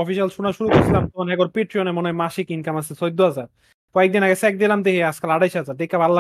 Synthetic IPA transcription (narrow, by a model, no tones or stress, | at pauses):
ɔfiʃalʃunaʃuɾukoɾsʰilamt̪onɛɡoɾpeʈɾionemonemaʃikinkamasʰesojd̪ːoazaɾ | kɔek̚d̪inaɡesɛk̚d̪ilamd̪ekeaskalaɽajʃazaɾd̪ekːabʱalːa